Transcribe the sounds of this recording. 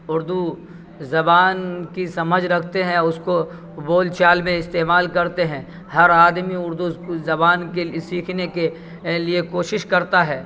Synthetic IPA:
ʊɾd̪u | zɐbaːnkisɐməd͡ʒʱɾɐkʰt̪eɦɛ̃ʊsko | boːlt͡ʃaːlmẽɪst̪eːmaːlkɐɾt̪eɦɛ̃ː | hɐɾaːd̪miʊɾd̪uzɐbaːnkesiːkʰneke | liekoːʃɪʃkɐɾt̪aɦɛː

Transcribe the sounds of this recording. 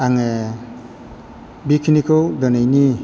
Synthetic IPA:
aŋe | bikʰinikʰɔwd̪ɔnajni

